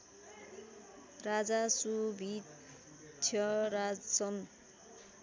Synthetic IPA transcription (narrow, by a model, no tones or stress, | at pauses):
rad͡zasubʱi | tʰjʌɾad͡zsʌm